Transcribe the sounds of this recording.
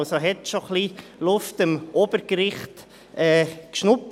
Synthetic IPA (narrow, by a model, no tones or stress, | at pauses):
soɦɛt̪ʃoχlilʊftɪmʔob̥əɾkɾɪχt | ɛːkʃnʊp